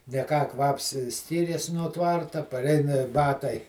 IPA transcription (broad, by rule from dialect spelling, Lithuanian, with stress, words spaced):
nʲɛ ˈkɑː ˈkʋɐps ˈsʲkʲiːrʲeːs nuɔ ˈtʋɐrtɐ pɐˈrʲɛɪnɐ ˈbɑːtɐɪ